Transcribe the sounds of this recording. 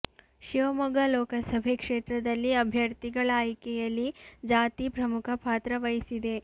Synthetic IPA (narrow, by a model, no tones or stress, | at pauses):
ʃiʋɐmɐɡɐlɔːkɐsɐbʱekʂeːt̪ɾɐd̪ɐlːiɐbʱjɐɾt̪iɡɐɭaːjkɛjɐlːid͡ʒaːt̪ipɾɐmukʰɐpaːt̪ɾɐʋɐjisid̪e̞